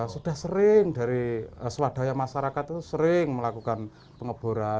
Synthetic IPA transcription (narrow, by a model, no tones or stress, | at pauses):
sud̥a̤hsəɾɪŋd̥a̤ɾiəsəwad̥a̤jamaʃaɾakat̪t̪usəɾɪŋməlakukan | pəŋəb̥ṳɾa